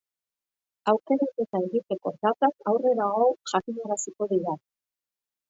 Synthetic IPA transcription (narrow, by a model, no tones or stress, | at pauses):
awke̞ɾat̪e̞t̪aeɣit̪e̞ko̞ðat̪akawre̞ɾaɣo̞ʝakiɲaɾasiko̞ðiɾa